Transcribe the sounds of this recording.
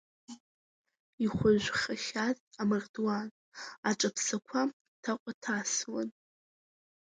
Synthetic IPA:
iχʷʊʒʷχaχʲatʼamɨrdwan | aʈ͡ʂʼapʰsakʷʰa | tʰaqʷʼatʰaswa̰n

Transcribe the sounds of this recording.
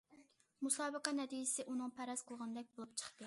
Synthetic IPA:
musɑːbəqænɛt̪ʰijɪsɪʔunɨŋpʰɛɾɛsqʰəlˠʁɑnɨd̪ɛk̚ʲbolˠup̚t͡ʃʰə̥χt̪ɨ

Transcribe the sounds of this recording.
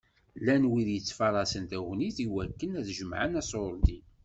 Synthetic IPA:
lːænwiðjət͡sːfɑɾˤɑsənt̪æwniθiwækːənæθʒəmʕənæsoɾˤd̪i

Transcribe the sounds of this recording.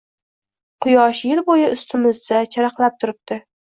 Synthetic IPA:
qʰʊjɒʃjɪlbojɪʊst̪ʰɪmɪzd̪at͡ʃʰaɾɑqlˠap̚t̪ʰʊɾɪp̚t̪ɪ

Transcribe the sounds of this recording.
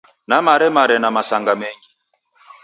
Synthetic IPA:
namaɾɛmaɾɛnamasaŋɡamɛŋɡi

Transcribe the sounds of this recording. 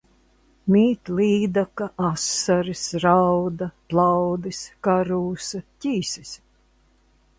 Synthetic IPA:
mʲiːt̪lʲˠiːd̪akaʔasːaɾisɾawd̪ɐplˠawd̪iskaɾuːsɐcʲiːsis

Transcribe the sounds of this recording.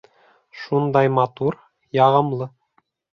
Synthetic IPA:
ʃund̪ɑjmɑt̪uɾ | jɑʁɤ̆mlˠɤ

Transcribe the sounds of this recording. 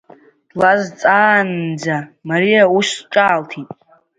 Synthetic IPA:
d̥lazt͡sʼaːnːd͡zamaɾijauʃʈ͡ʂʼaːltʰitʼ

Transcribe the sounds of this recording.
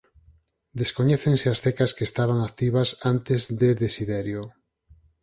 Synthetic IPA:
d̪eskoɲɛθeŋseasθekaskeːst̪aβ̞aŋakt̪iβ̞asant̪ezðeðesiðeɾjo

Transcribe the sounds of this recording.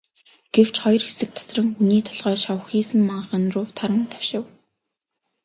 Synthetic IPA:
ɡ̥ew̥t͡ɕχɔjɞ̆rxesɘ̆k̚t̪ʰḁsrə̆ŋxuniːt̪ʰɔɮʁœːʃɔwxiːsɘ̆mmaɴχə̆nrʊːwt̪ʰaɾə̆nt̪ʰḁwʃɪ̆w

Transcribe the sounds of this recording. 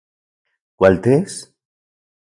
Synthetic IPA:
kwalt̪es

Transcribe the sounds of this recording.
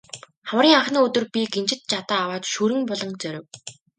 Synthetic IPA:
χawrʲiːŋaχniːɵt̪ɵ̆rpʲiɡent͡ɕɪ̆t̪̚t͡ɕat̪aːwaːt̪ʃuɾɘ̆ŋpɔɮɞ̆ŋt͡sœɾʲɪ̆w

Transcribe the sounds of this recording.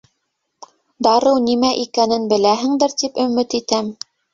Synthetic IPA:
d̪ɑɾɤwnimæʔikænɘnbɘ̆læɦɘ̆ŋd̪ɘɾt̪ipɵ̆mɘt̪it̪æm

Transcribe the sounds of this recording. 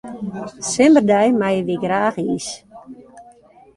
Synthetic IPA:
sɪmərdɛjmajəʋiɡraːxiːs

